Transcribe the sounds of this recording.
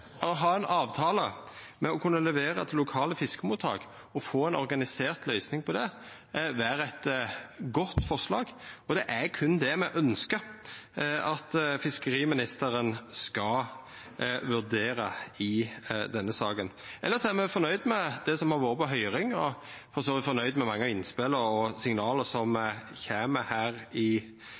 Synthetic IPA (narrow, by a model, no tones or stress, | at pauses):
ɦɑːɛnʔɑːʋt̪ʰɑːlə | mɛɔkʰʉnːəlɛʋeːɾə̰t̪ʰlːʊkʰɑːləfɪskəmuːt̪ʰhɑ̰ːɡ | ɔfoːɛnɔɾɡɑnɪseːʁt̪lœʏsnɪŋpʰɔd̪ɛ | ʋæːɾɛt̪ɡɔt̪ːfɔɾʂlɑːɡɔd̪ɛʔækʰʉnd̪ɛmɛʔœnskə | ɑt̪fɪskəɾiːmɪnɪst̪əɾənskɑ | ʋʉɾd̪eːɾəɪd̪ɛnːəsɑːkənʔɛlːəɾsɔæmɛfɔnœʏd̪mɛd̪̥ɛsɔmhɑɾʋoːɾəpɔɦœʏɾɪŋɔ | fɔɾsoːʋɪt̪fɔɾnœʏd̪mɛmɑŋːəɪnspɪləɾɔsɪŋnɑːləɾsɔmçæːməhæːɾɪ